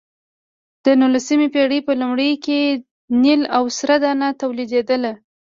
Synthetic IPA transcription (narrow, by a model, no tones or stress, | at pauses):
d̪̥ənulasimepeɽəpəlumɽəjke | nilawsɾad̪ɑnat̪awlid̪ed̪əla